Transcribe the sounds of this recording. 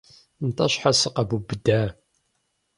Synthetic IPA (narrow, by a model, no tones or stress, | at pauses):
nt̪ˤːɑʃħasəqabubəd̪ːæ